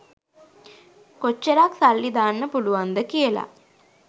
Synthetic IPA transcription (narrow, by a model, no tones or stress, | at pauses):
kot͡ʃːəɾaksalːid̪aːnːəpuluʋand̪əkijəla̰